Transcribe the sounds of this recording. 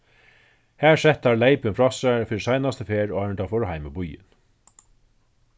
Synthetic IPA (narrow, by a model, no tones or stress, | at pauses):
hæːɹsɛt̪ːaɹlejpɪnfɾɔsaɹfɪɾisajnast̪əfeːɾaːɹɪɳt̪afɔːɾɦajmɪbʊjɪ̰n